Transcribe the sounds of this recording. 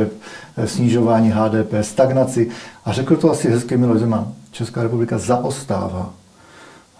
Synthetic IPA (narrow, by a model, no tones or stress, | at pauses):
ɛpsɲɪʒo̞vaːɲiːɦaːdɛːpɛːst̪aɡnat͡sɪʔarɛkl̩t̪oasɪɦɛskɛmɪlo̞ʒzɛmant͡ʃɛskaːɾɛpublɪkazaʔost̪a̰ːva̰ː